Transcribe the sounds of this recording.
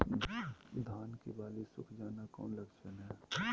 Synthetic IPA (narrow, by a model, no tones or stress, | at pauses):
d̪ʱaːnkibaːlisʊ̰kʰd͡ʒaːnakɔ̰ːnlɐkʃənɦɛː